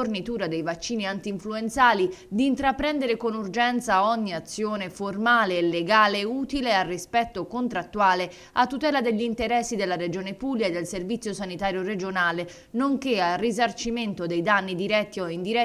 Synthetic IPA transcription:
ornit̪uːɾad̪ejvat͡ʃːiːniant̪iɱfluent̪saːlid̪iːnt̪ɾapɾɛnd̪eɾekonurd͡ʒɛnt̪saɔɲːiat̪sːjoːneformaːleːlːeɡaːleuːt̪ilearːispɛt̪ːokont̪ɾat̪ːuaːle | at̪ːut̪ɛːlad̪eʎːint̪eɾɛsːid̪elːaɾed͡ʒoːnepuljaed̪ːelservit̪sːjosanit̪aːɾjored͡ʒonaːle | noŋkearizart͡ʃiment̪od̪ejd̪anːid̪iɾɛt̪ːioind̪iɾɛ

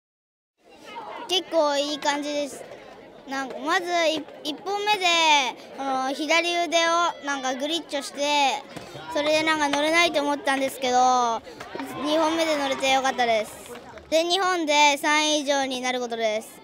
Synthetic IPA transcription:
ke̞kːo̞ːiːkãɲ̟d͡ʑid̪e̞sɨ̥nãŋkamazɨiipːõ̞mːe̞d̪e̞kono̞çid̪aɾʲɯd̪e̞onãŋkaɡɯ̟ɾʲit͡ɕːo̞ɕi̥t̪e̞ | so̞ɾe̞d̪e̞nãŋkano̞ɾenait̪oːmo̞t̪̬ːet̪ãnd̪e̞sɨ̥ke̞d̪o̞ | ɲ̟ihõ̞mːe̞d̪e̞no̞ɾet̪e̞jo̞kat̪ːad̪e̞sɨ̥ | d̪̥e̞ɲ̟ihõ̞nd̪e̞sãɰ̃iʑo̞ːɲ̟inaɾɯ̟ko̞t̪o̞d̪e̞sɨ̥

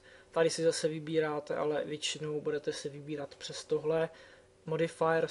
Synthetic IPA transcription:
t̪adɪsɪzasɛvɪbiːɾaːt̪ɛ̰ʔa̰lɛvjɛt͡ʃɪno̞wbudɛt̪ɛsɛvɪbiːɾat̪pr̝̥ɛst̪oɦlɛ | modɪfajɛɾ

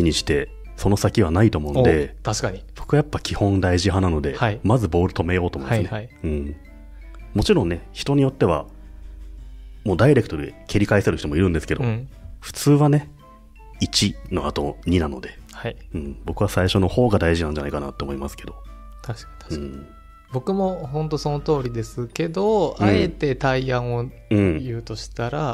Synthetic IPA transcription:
iɲ̟iɕi̥t̪e̞ | so̞no̞sakʲiβ̞anait̪o̞ːmo̞ɯ̃d̪e̞t̪aɕkaib̥o̞kɯβajapːakʲʰihõ̞nd̪aiʑihanano̞d̪e̞mazɨbo̞ːɾɯt̪o̞me̞jo̞ːt̪omoĩɨɨneɯ̟̃ɴ | mo̞t͡ɕiɾõnnːe̞çi̥t̪o̞ɲ̟ijo̞t̪ːe̞βa̰ | mo̞ːd̪aiɾe̞kɯ̟t̪oɾɯekʲiɾʲikaiseɾɯ̟ç̥it̪o̞mo̞iɾɯ̟nd̪esɨ̥ke̞d̪o̞ɸɯ̟̥t͡sɨːβane̞ | it͡ɕino̞̰at̪o̞ɲ̟inano̞̰d̪e̞haɯ̟̃ɴbo̞kɯ̟βasaiɕono̞ho̞ːɡad̪aiʑinãɲd͡ʑana̰ikana̰t̪ːeoːmo̞imasɨ̥ke̞d̪o | t̪aɕk | ɯ̃ | bo̞kɯ̟mo̞ɦõ̞nt̪o̞sono̞t̪o̞ːɾʲid̪e̞sɨke̞d̪o̞aɯ̃e̞t̪e̞t̪aiãɰ̃o̞ | ɯ̟̃ɴjɯ̟ːt̪o̞ɕi̥t̪aɾa

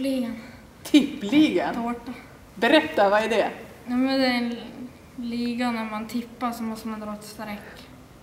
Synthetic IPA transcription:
liːɡan | t̪ʰɪpːliːɡənʰoːʈa | bɛɾɛt̪ːaʋɑɛɖɛ | jaːmɛnd̪ɛæɾ | liːɡanæɾmant̪ʰɪpːaɾsɔmɔst̪əmand̪ɾɑːɛt̪st̪ɾɛkː

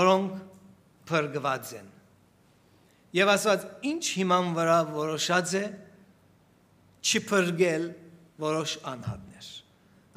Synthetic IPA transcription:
ɔɾɔŋkʰ | pʰəɾɡvɑt͡sɛn | jɛvɑst̪vɑt͡sint͡ʃʰhimɑnvəɾɑvɔɾɔʃɑt͡sɛ | t͡ʃʰəpʰəɾɡɛl | vɔɾɔʃɑnhɑ̰t̪̚nɛɾ

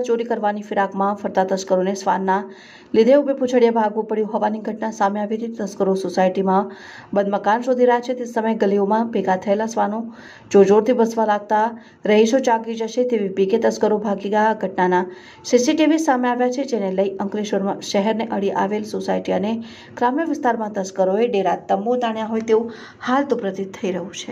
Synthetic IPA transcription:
t͡ʃoɾikəɾʋanifɪɾakmãfəɾt̪at̪əskəɾonesʋa̰nːa | lɪd̪ʱeubeput͡ʃʰəɽjabʱaɡʋũpəɽjũɦɔʋaniɡʱəʈnasameaʋit̪it̪əskəɾososajʈimã | bəd̪məkanʃod̪ʱiɾəɦat͡ʃʰet̪esəməjɡəliomãbeɡat̪ʰəelasʋano | d͡ʒod͡ʒoɾt̪ʰibəsʋalaɡ̚t̪a | ɾəɦiʃod͡ʒaɡid͡ʒəʃet̪eʋibiket̪əskəɾobʱaɡiɡəjaɡʱəʈnana | sisiʈiʋisameaʋjat͡ʃʰed͡ʒeneləiʔəŋkliʃəɾmaʃəɦɛɾneʔəɽiʔa̰ʋelsosajʈiəne | ɡ̥ɾamjəʋɪst̪aɾmãt̪əskəɾoeɖeɾat̪ːəmbot̪aɳjaɦojt̪eũ | halt̪opɾət̪it̪ʰːəiɾəɦũt͡ʃʰe

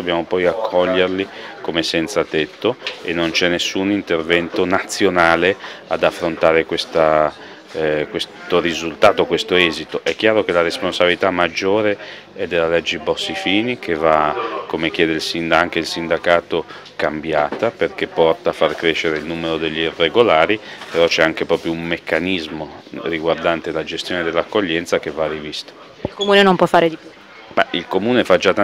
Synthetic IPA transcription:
d̪obːjaːmopɔjakʰːɔʎːerlikomesɛnt̪sat̪et̪ːoenːont͡ʃɛnːesːunint̪ervɛnt̪onat̪sːjonaːlead̪afːɾont̪aːɾekwest̪a | kwest̪oɾizult̪aːt̪okwest̪oɛːzit̪oʔɛk̟ːjaːɾok̟elaɾesponsabilit̪amːad͡ʒːoːɾe | ɛd̪ːelːalɛd͡ʒːebɔsːifiːnik̟ʰevakomek̟jɛːd̪eilsind̪aŋk̟eilsind̪akaːt̪o | kambjaːt̪aperkepːɔrt̪aːfːarkɾeʃːeɾeilnuːmeɾod̪eʎːiirːeɡolaːɾipeɾɔt͡ʃɛaŋk̟epɾɔːpɾjoummekːanizmoriɡward̪ant̪elad͡ʒest̪joːned̪elːakːoʎːɛnt̪sak̟evarivist̪ḁ | ilkomuːnenompwɔfːaːɾed̪ipj | mailkomuːnefad͡ʒat̪ː

